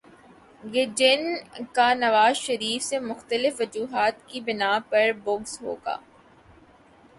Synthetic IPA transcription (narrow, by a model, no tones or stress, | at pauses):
jed͡ʒɪnkanɐʋaːzʃɐɾiːfsemʊxt̪əlɪfʋɐd͡ʒuːɦaːt̪kibɪnaːpɐɾbʊɡzɦo̰ːɡa̰ː